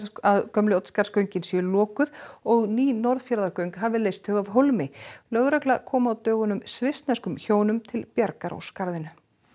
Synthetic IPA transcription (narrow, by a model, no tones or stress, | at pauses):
aðkœmlʏɔwt̪skaɾskœɥɲcɪnsjʏlɔːkʏðɔɣniːnɔɾðfjaɾðaɾkœɥŋkɦavɪleːjst̪hʏɣavɦowlmɪlœɣɾɛklakʰɔːmaːwt̪œːɣʏnʏmsvɪst̪nɛskʏmçoːwnʏmt̪ʰɪlpjaɾkaɾɔ̰wskaɾðɪnʏ